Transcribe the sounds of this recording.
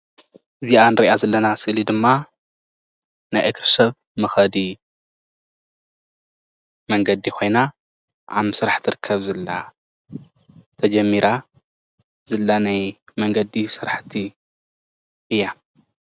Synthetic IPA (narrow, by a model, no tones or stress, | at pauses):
ʔɨziʔanɨɾiʔazɐlːɐnasɨʔlid̪ɨmːa | najʔɨkɾsɐβ | mɐxɐd̪i | mɐŋɡɐd̪ikʰo̞jna | ʔa̰βsɨɾaħt̪ʰɨɾɨkʰːɐβzɐlːa̰ | t̪ʰɐd͡ʒɐmːiɾa | zɨlːanajmɐŋɡɐd̪isɨɾaħt̪ʰi | ʔɨjːa